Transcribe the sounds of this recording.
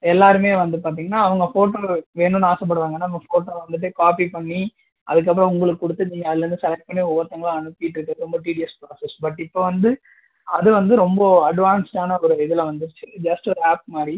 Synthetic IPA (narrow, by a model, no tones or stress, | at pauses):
ɛlːaːɾɯmeːʋɐnd̪ɯpaːɾt̪̬iːŋɡɐnːaːɐʋɐŋɡɐfoːʈːoʋeːnɯ̃naːsɛp̬ːɐɽɯʋaːŋɡɐnːaːʋɐɡɐfoːʈːoːʋɐnd̪ɯʈːɯkaːpipɐɳːi | ʔɐ̰ðɯk̬ːɐp̬ːɯɾɐ̃ʊŋɡɐɭɯkːɯːkːɔɽɯt̪ːɯniːŋɡɐðɯlɾɯnd̪ɯsɐlɐʈ̚pɐɳːiʊʋɐɾt̪ːɐŋɡɐɭãɐnɯpːɪjɪʈːɪɾɯkːɐðɯɾɔmbɐʈiːʈɪjɐspɾaːsɛsbɐʈːɪpːoʋɐnd̪ɯ | ɐðɯʋɐnd̪ɯɾɔmbɐɐɖʋaːnsʈaːnɐɔɾɯɪðɯlɐʋɐnd̪ɯɾt͡ʃːɯd͡ʒɐsʈɐɾaːp̚maːɾɾi